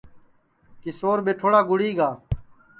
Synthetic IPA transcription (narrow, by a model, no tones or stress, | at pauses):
kɪsoːɾbeːʈʰoːɽaːɡʊɽiːɡaː